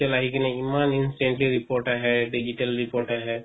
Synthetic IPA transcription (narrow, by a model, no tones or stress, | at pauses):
əlaːɦikinẽimaːnɪnsɪʈẽɳʈliɾipoːɾʈaɦɛɖid͡ʒiʈəlɾɪpoːɾʈaɦɛ